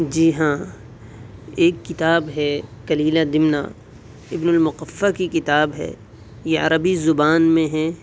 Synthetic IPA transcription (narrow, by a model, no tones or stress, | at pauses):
d͡ʒiːɦãː | eːkːɪt̪aːbɦɛkɐliːlad̪ɪmna̰ː | ɪbnʊlmʊqəfːakikɪt̪aːbɦɛ̰ː | jeɐ̰ɾəbizʊbaːnmẽɦɛ